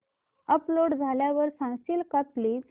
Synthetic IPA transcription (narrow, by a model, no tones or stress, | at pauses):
əploɽd͡zʱaljaʋəɾsãŋsiːlkəpliːd͡z